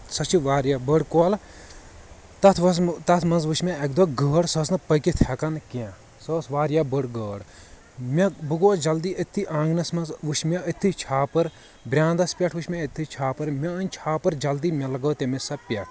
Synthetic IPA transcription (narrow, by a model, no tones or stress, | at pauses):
sɐt͡ʃʰiʋaːɾjabəɽkoːl | t̪ɐt̪ʰʋɐst̪ɐt̪ʰmɐnzʋuʃmʲeɐkd̪oːɡəːɽsɐsnɨpəkit̪ʰɐkɐnkiã | soːsʋaːɾjabəɽɡəːɽ | mʲɐbɨɡoːd͡ʒɐld̪iːət̪ʰːiʔãːŋɡnɐsmɐnzʋuʃmʲeit̪ʰːit͡ʃʰaːpɐɾ | bɾʲãːnd̪ɐspʲɐʈʰʋuʃmʲẽit̪ʰːit͡ʃʰaːpɐɾmʲɐɐnʲt͡ʃʰaːpɐɾd͡ʒɐld̪iːmʲɐlɐɡɐːt̪emisɐpʲɐʈʰ